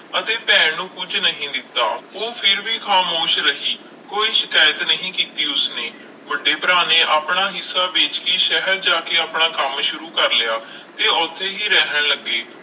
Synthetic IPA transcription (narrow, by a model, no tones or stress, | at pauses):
ət̪eːpɛːɳnũːkʊd͡ʒnəɦĩːd̪ɪt̪ːa̰ːoːpʰɪɾʋiːxʰaːmoːʃɾəɦiː | koːiːʃɪkaːjət̪nəɦĩːkiːt̪iːʊsneː | ʋəɖeːpɾaːnẽːʔaːpɳaːɦɪsːaːbeːt͡ʃkiʃɛɦəɾd͡ʒaːkeːaːpɳaːkəmʃʊɾuːkəɾlɪjaː | t̪eːɔːt̪ʰːeːɦiːɾɛːɦəɳləɡːeː